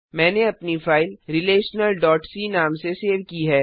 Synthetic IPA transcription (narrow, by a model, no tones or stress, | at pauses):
mɛ̃ːneɐpnifaːɪlɾɪleːʃnəlɖɔːʈsinaːmseseːʋkiɦɛː